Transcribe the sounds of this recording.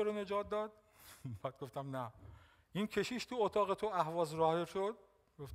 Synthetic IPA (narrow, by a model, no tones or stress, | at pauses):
oɾone̞d͡ʒɒːt̪̚d̪ɒːd̪̥̚ | bæːd̪̚ɡoft̪æmnæ | ʔinkʲʰe̞ʃiːʃt̪ʰuot̪ʰɒːɣet̪ʰoʔæhvɒːzɾɒːheʃod̪̚ | ɡoft̪